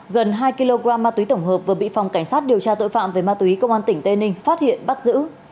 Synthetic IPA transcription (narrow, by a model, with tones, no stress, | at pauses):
ɣə˨˩nɦaː˧jki˧lo˧ɣaː˧mːaː˧t̪wi˨˦t̪ə˧˩wŋ͡mɦəː˨˩p̚vɨ˨˩əɓḭ˧˨fɔ˨˩wŋ͡mka˧˩jŋ̟saː˦˥t̚ɗi˨˩əwt͡ɕaː˧t̪o̰˧˨jfa̰ː˧˨mve˨˩˦jmaː˧t̪wi˨˦kə˧wʔaː˧nt̪ï˧˩ŋ̟t̪e˧nï˧ŋ̟faː˦˥t̚hḭ˧˨ənɓa˦˥t̚zɨ̰˧˥